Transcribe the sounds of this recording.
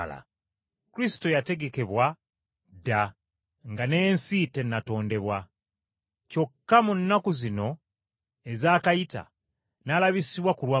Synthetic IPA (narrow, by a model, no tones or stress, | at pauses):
la̰ | kuɾisi̥to̞jate̞ɡe̞ke̞βwa | da | ŋɡane̞ːnsite̞nːato̞ːnde̞βwa | co̞kːamunːakuzino̞ | e̞zaːkajita̰ | nalaβisiβwakulwa